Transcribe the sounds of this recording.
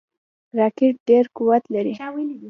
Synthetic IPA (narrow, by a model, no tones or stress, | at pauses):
ɾɑkɪʈ̚ɖeɾkuwat̪laɾiwel